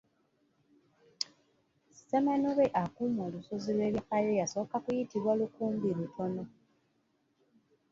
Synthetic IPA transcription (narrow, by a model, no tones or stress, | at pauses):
semanoβeʔakumo̞ːlusozilwe̞βjifajojaso̞ːkakujitiβwalukuːmbilutʰo̞no̞